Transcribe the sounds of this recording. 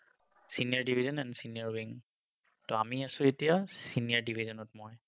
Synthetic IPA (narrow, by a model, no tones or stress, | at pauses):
siniaɹdibʱizɔnɛnsiniaɹwiŋ | tɔamiasʊ̃etijasiniaɹdibʱizɔnɔtmoj